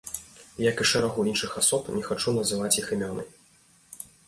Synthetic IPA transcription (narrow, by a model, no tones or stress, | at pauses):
jakɨʂɛɾaɣuinʂɨxasɔpnʲɛxat͡ʂunɐzɨvat͡sʲjiximʲɔnɐ̰j